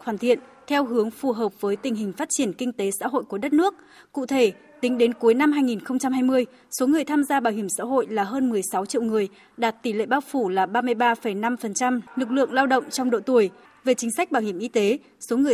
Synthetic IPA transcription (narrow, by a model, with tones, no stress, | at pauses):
xwaː˧˩nt̪ʰḭ˧˨ənt̪ʰɛ˧wɦɨ˨˦əŋfu˨˩ɦəː˨˩p̚vəː˨˦jt̪ï˨˩ŋ̟ɦï˨˩ŋ̟faː˦˥t̚t͡ɕi˧˩ənkï˧ŋ̟t̪e˨˦sa̰ː˧˥ɦo̰˧˨jku˧˩ɗə˦˥t̚nɨ˦˥ək̚ | kṵ˧˨t̪ʰe˧˩ | t̪ï˨˦ŋ̟ɗe˨˦nku˨˦jna˧mɦaː˧jŋi˨˩nxə˧wŋ͡mt͡ɕa˧mhaː˧jmɨ˧əj | so˨˦ŋɨ˨˩əjt̪ʰaː˧mzaː˧ɓaː˧˩whi˧˩əmsa̰ː˧˥ɦo̰˧˨jlaː˨˩ɦəː˧nmɨ˨˩əjsa˨˦wt͡ɕḭ˧˨wŋɨ˨˩əj | ɗaː˨˩t̚t̪i˧˩lḛ˧˨ɓaː˧wfu˧˩laː˨˩ɓaː˧mɨ˧əjɓaː˧fə˧˩jna˧mfə˨˩nt͡ɕa˧mlɨ˨˩k̬̚lɨ̰˧˨əŋlaː˧wɗə̰˧˨wŋ͡mt͡ɕɔ˧wŋ͡mɗo̰˧˨t̪u˧˩əj | ve˨˩t͡ɕï˨˦ŋ̟sa˦˥k̚ɓaː˧˩whi˧˩əmʔi˧t̪e˨˦ | so˨˦ŋɨ˨˩ə